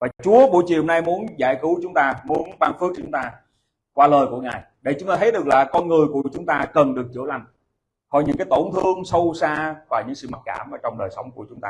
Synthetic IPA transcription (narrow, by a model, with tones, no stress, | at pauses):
vaː˨˩t͡ɕu˨˦əɓo˧˩jt͡ɕi˨˩ho˧ŋ͡mna˧jmu˨˦ənzaː˧˩jkɨ˨˦wt͡ɕʊ˨˦ŋ͡mt̪aː˧mu˨˦ənɓaː˧nfɨ˦˥ək̚ʊ˨˦ŋ͡mt̪aː˧ | kwaː˧ləː˨˩jku˧˩əŋaː˨˩j | ɗe˧˩t͡ɕʊ˨˦ŋ͡mt̪aː˧t̪ʰə˨˦jɗɨ˨˩ək̚laː˨˩kɔ˧nŋɨ˨˩əjku˧˩ət͡ɕʊ˨˦ŋ͡mt̪aː˧kə˨˩nɗɨ˨˩ək̚t͡ɕɨ̰˧˩˦əla˨˩jŋ̟ | kɔ˧˩jɲɨ̰˧˥ŋkaː˨˦jt̪o˧˩nt̪ʰɨ˧əŋsə˧wsaː˧vaː˨˩ɲɨ̰˧˥ŋsɨ̰˧˨mə˨˩t̚kaː˧˩mʔəː˧˩t͡ɕɔ˧wŋ͡mɗəː˨˩jsə˨˦wŋ͡mk̚u˧˩ət͡ɕʊ˨˦ŋ͡mt̪aː˧